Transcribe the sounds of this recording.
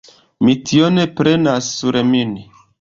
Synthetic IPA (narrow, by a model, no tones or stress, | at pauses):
mitʰionepɾenasːuɾemin